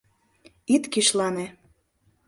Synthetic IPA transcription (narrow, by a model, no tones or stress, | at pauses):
it̪kiʃlɑne